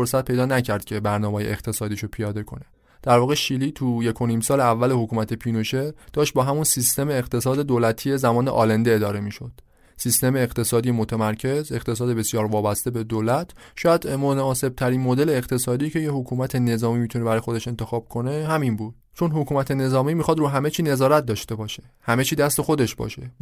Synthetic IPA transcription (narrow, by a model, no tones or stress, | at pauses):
foɾsæt̪̚pʰe̞jd̪ɒːnæcʰæɾd̪̚cʲʰe̞bæɾnɒːmɒːjḛeqt̪ʰe̞sɒːd̪iːʃopʰijɒːd̪e̞kʰo̞̰ne̞ | d̪̥æɾvɒːɣeʃiliːt̪ʰuje̞kʰo̞niːmsɒːleævːæle̞hokʰuːmæt̪ʰe̞pʰinoʃed̥̪ɒːʃt̪̚bɒːɦæmunsist̪e̞meːɣt̪ʰe̞sɒːd̪ed̪oːlæt̪ʰie̞zæmɒːnḛʔɒːlænd̪eed̪ɒːɾe̞miːʃo̞d̪̥ | sist̪e̞meːɣt̪ʰe̞sɒːd̪ijemot̪ʰemæɾcʰe̞ze̞qt̪ʰe̞sɒːd̪e̞be̞sijɒːɾvɒːbæst̪e̞be̞d̪oːlæt̪ʰʃɒːjæd̪̥monːse̞b̥̚t̪ʰæɾiːnmod̪e̞leːɣt̪ʰe̞sɒːd̪iːcʰe̞jehokʰuːmæt̪ʰe̞ne̞zɒːmiːmit̪ʰunebæɾːjexo̞d̪e̞ʃe̞nt̪ʰe̞xɒːb̥̚kʰo̞ne̞hæminbuːd̪̥ | t͡ʃʰo̞nɦokʰuːmæt̪ʰe̞ne̞zɒːmiːmixɒd̪ɾuːɦæme̞t͡ʃʰiːne̞zɒːɾæt̪̚d̪ɒːʃt̪e̞bɒːʃe̥hæme̞t͡ʃʰiːd̪æst̪e̞xo̞d̪e̞ʃbɒ̰ːʃe̞